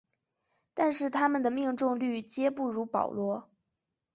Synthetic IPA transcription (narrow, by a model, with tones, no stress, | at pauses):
t̪a˥˧nʂɻ̩˥˩t̪ʰa˥mə˨nd̪ə˩mi˥˧ŋʈ͡ʂʊ˥˧ŋly˥˩t͡ɕjɛ˥pu˥˩ɻu˧˥pɑ̰˨˩ʊlwɔ˥